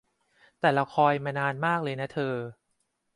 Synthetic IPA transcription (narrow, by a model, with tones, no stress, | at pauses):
t̪ɛː˨˩ɾa˧wkʰɔː˧jmaː˧naː˧nmaː˥˩k̚lɤː˧jna˦˥t̪ʰɤː˧